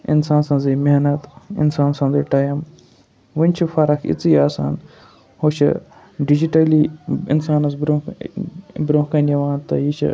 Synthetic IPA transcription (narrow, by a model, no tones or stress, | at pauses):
ḭnsaːnsãnzeːmeɦnɐt̪ḭnsaːnsɐ̃nzeːʈaːjɐm | ʋɨnʲt͡ʃʰifɐɾɐkʰḭt͡siːaːsa̰ːn | hoːt͡ʃʰɨ̰ | ɖid͡ʒiʈɐliːḭnsaːnɐzbɾo | bɾoːkɐnjɐʋaːnt̪ɐjit͡ʃʰḭ